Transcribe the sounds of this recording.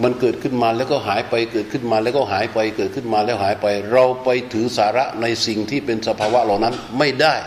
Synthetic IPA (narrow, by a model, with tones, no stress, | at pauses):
ma˧nkɤː˨˩t̪̚kʰɯ˥˩nmaː˧lɛː˦˥wkɔː˥˩ɦaː˩˦jpa˧jkɤː˨˩t̪̚kʰɯ˥˩nmaː˧lɛː˦˥wkɔ˥˩ɦaː˩˦jpa˧jkɤː˨˩t̪̚kʰɯ˥˩nmaː˧lɛː˦˥wɦaː˩˦jpa˧jɾa˧wpa˧jt̪ʰɯː˩˦saː˩˦ɾa˦˥ʔna˧jsi˨˩ŋt̪ʰiː˥˩pe˧nsa˧pʰaː˧wa˦˥la˨˩wna˦˥nma˥˩jdaː˥˩j